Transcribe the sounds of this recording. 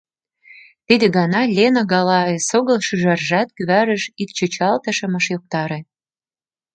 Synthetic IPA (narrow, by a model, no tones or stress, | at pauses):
t̪id̪ĕɣɑnɑlʲenəɣɑlɑesoɣɤ̆lʃyʒɑrʒæt̪̚kyβæɾə̆ʃik̪̚t͡ɕot͡ɕɑlt̪ə̆ʃɤ̆mə̆ʃjok̚t̪ɑɾe